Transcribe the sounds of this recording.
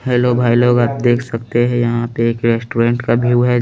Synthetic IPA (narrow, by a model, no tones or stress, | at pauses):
ɦɛːlobʱaːiloːɡab̚d̪eːkʰsɐk̚t̪eɦɛ̃jɐɦãpeeːkɾesʈuɾɛ̃ɳʈkabʱuːɦɛ